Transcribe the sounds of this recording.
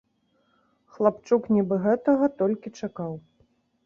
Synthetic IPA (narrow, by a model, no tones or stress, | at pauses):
xlˠapt͡ʂuknʲibɨɣɛt̪ɐɣɐt̪ɔlʲkʲit͡ʂakaw